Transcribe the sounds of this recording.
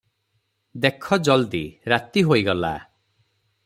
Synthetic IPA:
d̪ekʰɔd͡ʒɔld̪iɾat̪iɦoiɡɔla̰

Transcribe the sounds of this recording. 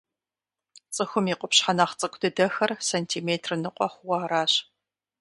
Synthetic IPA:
t͡sʼɨxʷʊmiːqʷʊpɕħanɐχt͡sʼɐkʷʰʼdɐdɐxɐrsɐntʰiːmeːtʰrɨnɨqʷʼɔχʷwɑɾaːɕ

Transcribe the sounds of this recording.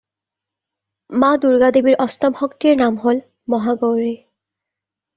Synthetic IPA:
maduɹɡadebiɹʔɔstɔmxɔktiɹnamɦol | mɔɦaɡowɹi

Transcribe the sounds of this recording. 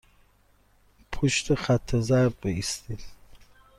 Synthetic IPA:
pʰuʃt̪ʰəχat̪ʰːəzaɾbbəist̪il

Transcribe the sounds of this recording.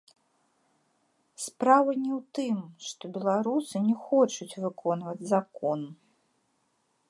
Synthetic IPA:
spɾavɨnʲɛwt̪ɨmʂt̪ɔbʲɛlˠaɾusɨnʲɛxɔt͡ʂut͡sʲvɨkʰɔnvɐd͡zʲzakɔn

